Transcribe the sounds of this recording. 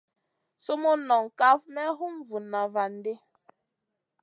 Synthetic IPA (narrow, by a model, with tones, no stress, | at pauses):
so˦mo˦nɔ˨ŋ˨ka˦fmɛ˦ɦu˦mvu˨nːa˨va˨n̩˨˦de˦